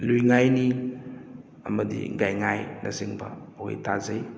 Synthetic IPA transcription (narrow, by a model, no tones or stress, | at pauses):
lujŋajni | ɐ̰mɐdḭɡajŋajnʔasiŋbɐ | ho̰jtʰazɐj